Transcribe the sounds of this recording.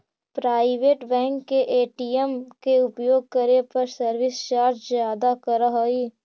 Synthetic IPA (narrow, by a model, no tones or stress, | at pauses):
pɾaːɪʋeːʈbɛ̃ːŋkːeʔeːʈiɛmkeʊpjoːɡ̚kɐɾepɐɾsɐɾʋɪst͡ʃaːɾd͡ʒzjaːd̪akɐɾəɦoiː